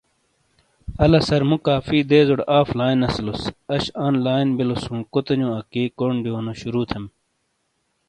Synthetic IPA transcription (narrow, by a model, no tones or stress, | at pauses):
ɐlɐsɐɾmukaːfiːd̪eːzoɽaːflaːinɐslusɐɕaːnlaːjnbilosũːkot̪ɐɲõɐkiːkoːɳɖijoːnoɕuɾuːt̪ʰem